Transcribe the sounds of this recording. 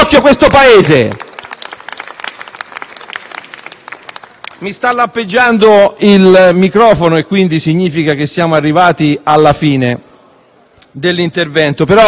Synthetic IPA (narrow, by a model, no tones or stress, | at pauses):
kːjokwest̪opaeːze | mist̪alːampːed͡ʒːand̪oilmikɾɔːfonoekːwind̪isiɲːiːfikak̟esːjaːmoarːivaːt̪ialːafiːne | d̪elːint̪ervɛnt̪opeɾɔ